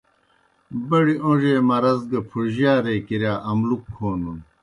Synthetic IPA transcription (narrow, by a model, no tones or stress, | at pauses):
bɐɽiõʐeːmɐɾɐzɡɐpʰuɾʑjaːɾeːkiɾjaːʔɐmlukʰːoːnun